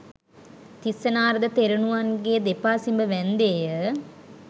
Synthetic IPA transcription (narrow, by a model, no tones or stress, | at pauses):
t̪isːənaːɾɐd̪ət̪eɾunuʋanɡeːd̪epaːsimbəʋænd̪eːjə